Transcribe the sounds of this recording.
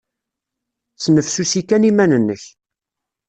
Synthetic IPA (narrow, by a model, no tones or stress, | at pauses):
snəfsusikænimænənːəç